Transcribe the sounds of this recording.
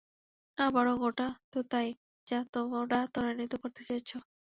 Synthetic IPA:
nabɔɽoɡoʈat̪ot̪aj | d͡ʒat̪omoɽat̪ɔɾanit̪ɔkɔɾt̪et͡ʃajt͡ʃʰɔ

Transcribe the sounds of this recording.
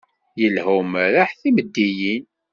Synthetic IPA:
jəlhumɾaħθiməd̪ːijin

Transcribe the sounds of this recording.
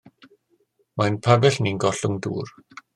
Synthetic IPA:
majnpʰabɛɬninɡɔɬʊŋdṵːr

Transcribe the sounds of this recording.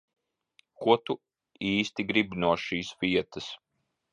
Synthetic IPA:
kuɔt̪u | iːst̪iɡɾibnuɔʃiːsvʲiɛt̪ɐs

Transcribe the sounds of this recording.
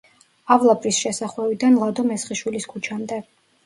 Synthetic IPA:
avlˠapʼɾisʃɛsaχwɛvid̪anlˠad̪ɔmɛsχiʃwiliskʰut͡ʃʰamd̪ɛ

